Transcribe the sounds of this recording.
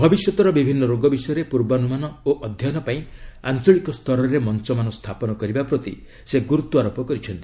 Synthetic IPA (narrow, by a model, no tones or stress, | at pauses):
bʱɔbisjɔt̪ɔɾɔbibʱinːɔɾoɡɔbisɔjɔɾepuɾbanumanɔoʔɔd̪ʱjɔnɔpaĩant͡ʃɔɭikɔst̪ʰɔɾɔɾemɔnt͡ʃɔmanɔst̪ʰapɔnɔkɔɾibapɾɔt̪i | seɡuɾut̪ːuaɾopɔkɔɾit͡ʃʰɔnt̪i